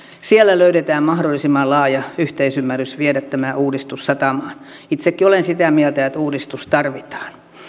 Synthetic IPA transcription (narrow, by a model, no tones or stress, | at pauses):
sielːæløytet̪æːmmɑhdolːˑisimːɑlɑːjɑyht̪eisymːærysʋiedæt̪tːæmæʔuːdist̪ussɑt̪ɑmɑːn | it̪sekːiolensit̪æmielt̪æet̪uːdist̪ust̪ɑrʋit̪ɑ̥ːn